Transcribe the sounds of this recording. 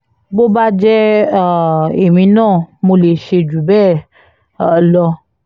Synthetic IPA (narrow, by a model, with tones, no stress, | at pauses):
bo˦ba˦d͡ʒɛ˦˨ | e˨mĩ˧˦nãː˦˨mo˧le˨ʃe˧d͡ʒu˨bɛː˦˨ | lɔ˧